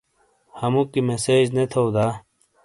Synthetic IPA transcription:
hɐmukimeseːd͡ʑnet̪ʰowd̪aː

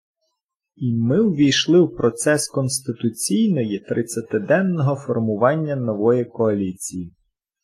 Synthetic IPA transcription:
imɪwʋʲijʃlˠɪwpɾɔt̪sɛskɔnst̪ɪt̪ʊt͡sʲijnɔjit̪ɾɪt̪sʲɐt̪ed̪ɛnːɔɦɔfɔrmʊʋɑnʲːɐnɔʋɔjikɔɐlʲit͡sʲiji

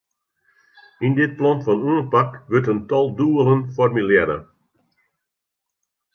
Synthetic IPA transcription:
indɪt̚plɔnfɔnuənpakʋøtəntɔlˠduəlˠənfɔrmylɛɾə̰

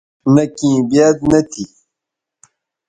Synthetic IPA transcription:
nɐkĩːbjaːd̪nɐt̪ʰi

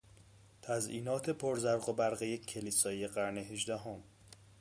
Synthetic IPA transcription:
t̪ʰæzʔiːnɒːt̪ʰe̞pʰoɾzæɾɢobæɾɣejekʰːeliːsɒːjeɢæɾneɦeʒd̪æɦom

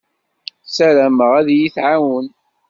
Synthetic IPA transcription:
sæɾæməʁæðjiθʕawən

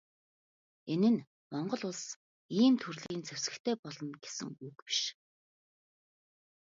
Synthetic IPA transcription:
enɘ̆n | mɔɴɢɞ̆ɮʊɮs | iːmt̪ʰurɮiːnt͡sʰæw̥ʲsɘ̆kt̪ʰeːpɔɮɞ̆nɡ̥esɘ̰̆ŋukpi̥ʃ

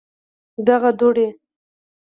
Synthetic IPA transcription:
d̪aɣad̪oɽe

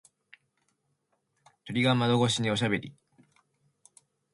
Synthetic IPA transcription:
t̪o̞ɾʲiɡamad̪o̞ɡo̞ɕ̬iɲ̟io̞ɕ̬abe̞ɾʲi

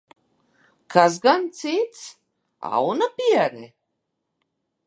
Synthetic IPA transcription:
kʰaz̬ɡant̪sit̪s | a̰unapiaɾɛ̰

